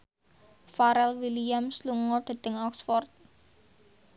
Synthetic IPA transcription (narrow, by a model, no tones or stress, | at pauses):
faɾɛlwilijamsluŋɔɖ̪̥a̤t̪əŋɔksfɔrt̪̚